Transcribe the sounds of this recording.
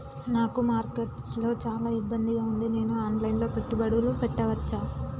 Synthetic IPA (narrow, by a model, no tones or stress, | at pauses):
naːkumaːɾkeʈslo̞ːt͡ʃaːlaːibːɐnd̪iɡaːund̪ine̞ːnuaːnlɐjinlo̞ːpeʈːubɐɽulupɛʈːɐʋɐt͡ʃːaː